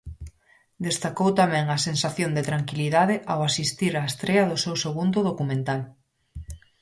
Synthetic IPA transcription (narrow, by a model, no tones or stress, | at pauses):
d̪est̪akowt̪amɛ̃ŋasensaθjond̪et̪ɾaŋkiliðaðeʔawasist̪iɾaest̪ɾeɐðʊsewseɣund̪ʊðokumẽnt̪al